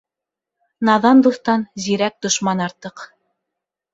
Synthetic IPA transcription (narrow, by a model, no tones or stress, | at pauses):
nɑðɑnd̪uθt̪ɑnziɾæk̚d̪̥ŏʃmɑnɑɾt̪ɤq